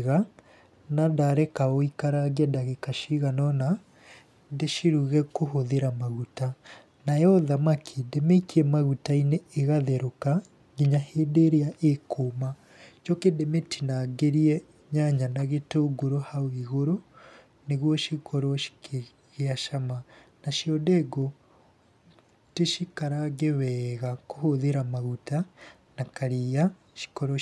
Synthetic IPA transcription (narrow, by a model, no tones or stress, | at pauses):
ɣa | nadaɾɛkaoikaɾaɣiɛdaɣekaʃiɣanɔna | ndeʃiɾuɣɛkoɦoðeɾamaɣuta | najɔðamakʰidemekiɛmaɣutaineːɣaðɛɾoka | ɣiɲahedeɾeaʔekʰoːma | t͡ʃɔkedemetʰinaɡeɾiɛ | ɲaɲanaɣetoːɡoɾohawiɣoɾo | neɣwɔʃikɔɾɔʃi̥ke | ɣaʃama | naʃiɔdɛɡo | teʃikaɾaɣeβɛːɣakohoðeɾamaɣuta | nakaɾia | ʃi̥kɔɾɔ